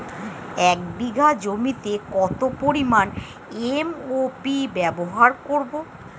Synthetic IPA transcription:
ɛk̚biɡʱad͡ʑomit̪ekɔt̪opoɾiman | emopibɛboɦaɾkoɾbo

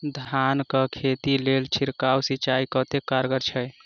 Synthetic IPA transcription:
d̪ʱankəkʰet̪ilelt͡ʃʰiɾkawsit͡ʃaikət̪ekaɾɡəɾt͡ʃʰɛj

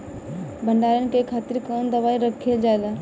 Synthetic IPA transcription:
bʱəɳɖaɾənkekʰaːt̪ɪɾkənd̪əʋaːiɾəkʰeld͡ʒaed̪a

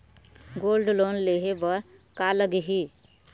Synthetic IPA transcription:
ɡoːlɖloːnleɦebəɾ | kaləɡɦi

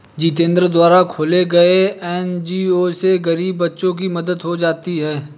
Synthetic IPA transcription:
d͡ʒiːt̪ẽːnd̪ɾəd̪waːɾakʰoːleɡɐeɛːnd͡ʒiːoːseɡɐɾiːbːɐtːʃõk̬imɐd̪əd̪ɦod͡ʒaːt̪iɦɛː

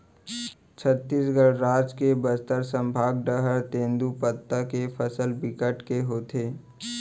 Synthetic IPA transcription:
t͡ʃʰət̪ːisɡəɭɾaːd͡ʒkebəst̪əɾsə̃mbʱaːɡ̚ɖəɦəɾt̪ẽːnd̪upət̪ːəkefʰəsəlbɪkəʈkeɦoːt̪ʰeː

